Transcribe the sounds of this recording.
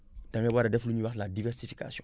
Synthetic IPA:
d̥ãŋɛbaɾadɛfluɲiwaxladivɛɾsifika̰sijɔ̰̃

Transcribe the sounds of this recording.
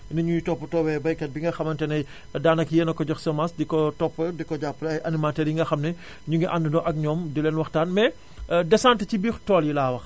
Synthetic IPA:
nɐɲujitɔpːətɔwɛbɐjkɐt̚biŋɡɐxɐmɐntɛnɐj | daːnɐkjɛnɐkːɔɟɔxsɐmasdikɔtɔpːədikɔɟapːəlɐjʔɐnimatɛːɾjiŋɡɐxɐmnɛ | ɲuŋɡɛʔandənɔʔɐk̚ɲɔːmdilɛnwɐxtaːnmɛ | dɛsaːntɐcibiːxtɔːljilaːwɐx

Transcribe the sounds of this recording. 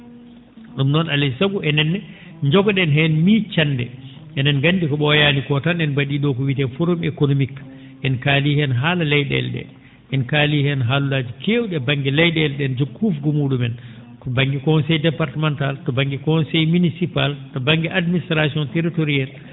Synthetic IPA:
ɗumnɔnalɛsaɡuɛnɛnːɛ | ɲd͡ʒɔɡɔɗɛnɦɛnmit͡ʃandɛ̰ʔɛnɛnɡanːdikɔɓɔjanikɔtanɛnbaɗiːɗɔkɔwitɛfoɾomekonomik | ʔɛnkaːlihɛnɦaːlalɛjɗɛ̰lɗɛ̰ | ɛnkalihɛnɦalulaːd͡ʒikewuɗɛbaŋɡɛlɛjɗɛlɗɛnd͡ʒokʰːufɡɔmuːɗumɛn | baŋɡikɔnsɛjdɛpaɾtamantaltɔbaŋɡikɔnsɛjminisipaltɔbaŋɡɛʔadministɾasiɔnteɾitoɾial

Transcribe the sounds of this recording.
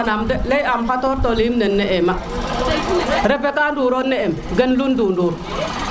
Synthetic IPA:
namdəlejamfatɔɾtolimnənːeʔema | ɾepekanduɾonːeemɡənlundunduɾ

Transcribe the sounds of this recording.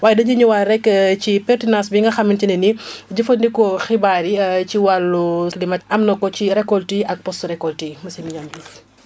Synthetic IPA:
waːjɛdɐɲuɲuwaɾɛkcipɛrtinãnsbiŋɡɐxɐmintinɐniɟɐfɐndikɔxibaɾiciwalːulimɐtɐmnɐkɔciɾɛkːɔltiʔɐk̚pɔstuɾɛkːɔltimɐsimiɲɔmbis

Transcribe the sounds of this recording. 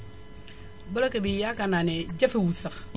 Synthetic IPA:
balakebijakananed͡ʒafiwusak

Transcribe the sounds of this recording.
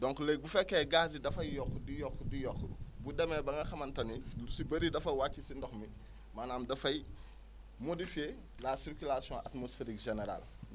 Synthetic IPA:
dõŋklek̚bufekːeɡaːzidɐfɐjjɔkːudijɔkːudijɔkːbudɐmebɐaŋɡɐxɐmɐntɐnilusibɐɾidɐfɐwat͡ʃːisindoxmi | maːnaːmdɐfɐji | modife | lasiɾkulasiõʔatmosfeɾikʒeneɾa̰l

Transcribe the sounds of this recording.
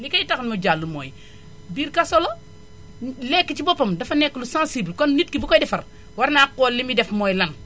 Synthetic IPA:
likajitaknmud͡ʒalːumo̰ːj | biːɾkasɔlo | lɛkːit͡ʃibopɐmdɐfɐnɛkːlusãnsiblkɔnnit̚kibukojdɛfɐɾ | waɾnakolːimidɛfmojlan

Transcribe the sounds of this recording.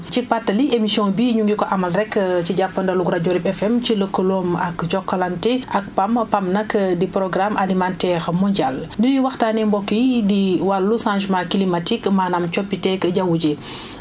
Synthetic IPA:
t͡ʃipatːɐliemisiɔ̃ːbiːɲuŋɡikɔʔamɐlɾɛkːciɟapːɐndɐluɡɾaɟoɾibɛfɛmt͡ʃiləkːəlɔːmɐkd͡ʒɔkːɐlantɛʔak̚pampamnɐkdipɾɔɡɾamʔalimantɛɾmɔɲɟaldiniwɐxtaːnɛmbɔkːidiwalːusãʒmãkilimatikmaːnamt͡ʃɔpːitɛkɟawuɟe

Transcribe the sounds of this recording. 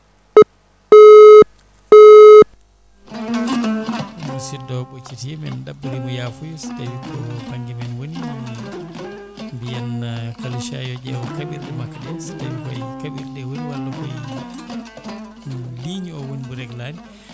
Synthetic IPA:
busidɔɓot͡ʃitiɛmɛnɗabːudimɔjafujusi̥tadidɔpaɲɡɛmɛnwoni | mbijankaluʃa̰jɔd͡ʒɛwɔkabiɾɗɛmakːadɛnsi̥tadikɔjkabiɾɗɛwoniwalːɔkɔj | liɲiɔwonibuɾɛɡladi

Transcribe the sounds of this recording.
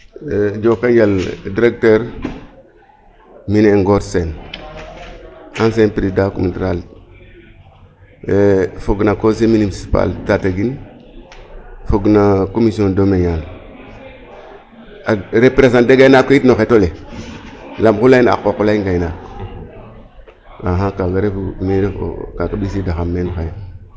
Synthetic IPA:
d͡ʒokaɲd͡ʒaldiɾek̚teɾ | mineŋɡoɾsen | ãns̬enpɾidakomitɾal | foɡnakos̬eminisi̥pa̰ltataɡin | foɡnakomisiondomejal | aɾepɾes̬ãdeɡainakoitnoxetole | lamkulaina̰kokulaiɡaina | aɦãkaɡaɾefumeɾḛkakaɓisidaxamːenoxej

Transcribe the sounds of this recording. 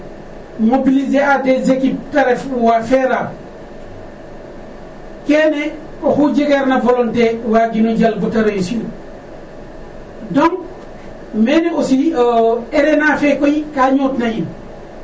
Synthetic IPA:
mobilizeatezekiptaɾɛfuwafɛɾa | kɛːnɛ | ɔxuɟeɡeɾnavolɔntewaɡinoɟalbɔtaɾejsun | dɔŋ | mɛnɛosi | ɛɾɛnafɛkojikaːɲoːtnajin

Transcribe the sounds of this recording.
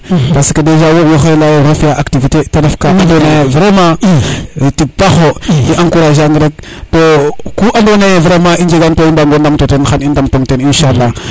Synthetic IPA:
basḁkadeʒawowuxajlajeɾofijaʔaktivitetadafkaʔandonevɾema | tik̚baxoiʔaŋkuɾaʒaŋɡəɾek̚ | tokuʔadonevɾemaind͡ʒeɡantoindaŋɡondamtotenxanindamtomteninʃalːa

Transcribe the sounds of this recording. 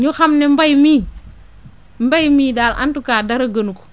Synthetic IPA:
ɲuxamnɛmbajmi | mbajmiːdala̰ntukaːdaɾɐɡənuku̥

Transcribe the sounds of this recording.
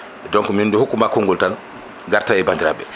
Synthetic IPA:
ɛdɔŋkɔmundɛhukːumaːkoŋɡɔltan | ɡaɾtaɛbandiɾa̰ɓɛ

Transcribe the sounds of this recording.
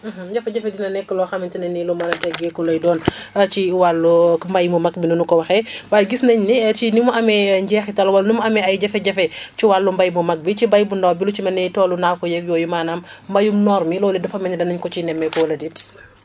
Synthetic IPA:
m̩ɦɟɐfɛɟɐfɛdinɐnɛkːəlɔxɐmintinɐnːilɔmɐlɐtɛɡɛkɔlɔjdɔːnɐt͡ʃiwalːumbɐjmumɐk̚binunukɔwɐxɛwajɡisnɐɲniɛt͡ʃinimuʔɐmɛɲɟɛːxitɐlwɐlnimuɐmɛɐjɟɐfɛɟɐfɛt͡ʃiwalːumbɐjmumɐk̚bit͡ʃibɐjbundɔwbilut͡ʃimɐnɛtɔːlunakɔjɛkjɔːjumaːnɐmːbɐjumnɔɾmilɔːlidɐfɐmɛɲɐdɐnɐɲkɔt͡ʃinɛmːɛkɔwɐlɐdit

